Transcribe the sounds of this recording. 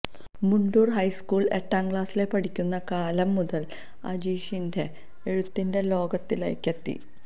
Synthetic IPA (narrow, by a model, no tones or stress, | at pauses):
muɳɖuːrɦɐjskuːɭe̞ʈːaːŋɡɭaːsile̞pɐʈikʲːunːɐkaːlɐmːuðɐl | ɐ̰d͡ʑiːɕinde | eɻut̪ːinde̞lo̞ːɡɐt̪ːilḛjkːet̪ːḭ